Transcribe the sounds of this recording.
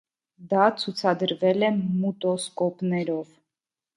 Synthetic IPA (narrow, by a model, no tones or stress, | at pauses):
d̪ɑt͡sʰut͡sʰɑd̪əɾvɛlɛmut̪ɔskɔpnɛɾɔv